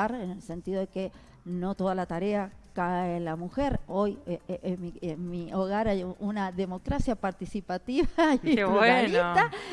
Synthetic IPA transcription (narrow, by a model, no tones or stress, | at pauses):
aɾenelse̞nt̪iðo̞ðeke | no̞t̪o̞ð̞alat̪aɾeakaeːlamuxeɾo̞jmiemioɣaɾajunaðe̞mo̞kɾasjapaɾt̪isipat̪iβakewealit̪a